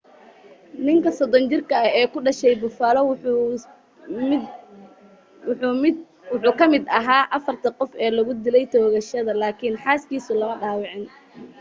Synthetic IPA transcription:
nɪŋkʰɐsɔd̪ɔnt͡ʃɪrkʰɐɛːkʰʊɖɐʃɛjbʊfaːlɐw | wʊħuːkʰɐmɪd̪ɐɦaːʔɐfɐrt̪ʰɐqɔfɛːlɐɣʊd̪ɪlɛjt̪ʰɔːɣɐʃɐðɐlaːkʰɪnħaːskiːsʊlɐmɐɖaːwɪʕɪn

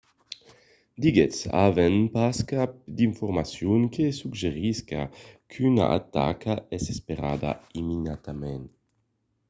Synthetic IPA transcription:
d̪iɡetsa̰venpaskapd̪iɱfoɾmasjuŋkʰesuɡʒeɾiska̰kʰyna̰ʔat̪ːa̰kaɛsespeɾa̰ːd̪a̰iminat̪amen

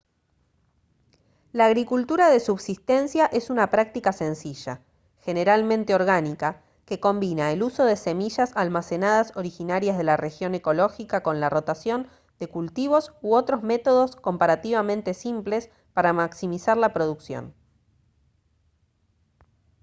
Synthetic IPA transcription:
laːɣɾikult̪uɾaðe̞suβsist̪e̞nsjaʔe̞sunapɾak̚t̪ikase̞nsiʒa̰ | xe̞ne̞ɾalmẽnt̪eo̞ɾɣanika | ke̞ko̞mbinaeluso̞ðe̞se̞miʒasalmase̞naðaso̞ɾixinaɾjazð̞e̞lare̞xjo̞ne̞ko̞lo̞xikako̞nlaro̞t̪asjo̞n | d̪e̞kult̪iβ̞o̞suo̞t̪ɾo̞zme̞t̪o̞ðo̞sko̞mpaɾat̪iβamẽ̞nt̪e̞simple̞s | paɾamaksimisaɾlapɾo̞ð̞uksjo̰n

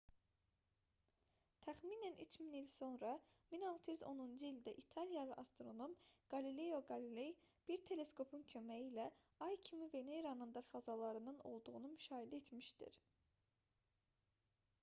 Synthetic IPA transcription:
t̪ʰæχmiːnænʔyt͡ʃʰminilʲso̞nɾɑminɑlˠt̪ʰɯjyzo̞nund͡ʒɯilʲd̪æʔit̪ʰɑlijɑlˠɯʔɑst̪oɾo̞nomɡ̥ɑlile̞joɡɑlilej | b̥iɾt̪ʰe̞le̞skʰo̞pʰuncʰø̞mæjilæ | ɑjcʰimiveneɾɑnɯnd̪ɑfɑzɑlˠɑɾɯnɯno̞̰lˠd̪uʁunumyʃɑːɦed̪æet̪miʃt̪ḭɾ

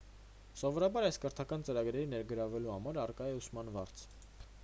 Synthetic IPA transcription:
sɔvɔɾɑbɑɾɑjskəɾt̪ʰɑkɑnt͡səɾɑɡɾɛɾinɛɾɡəɾɑvɛluhɑmɑɾɑrkɑjɛusmɑnvɑɾt͡sʰ

